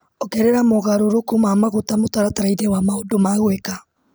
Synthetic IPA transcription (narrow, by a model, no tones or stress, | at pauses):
ɔkɛɾɛɾamoɣaɾoɾokomamaɣotamotaɾataɾaidɛwamaodomaɣwɛka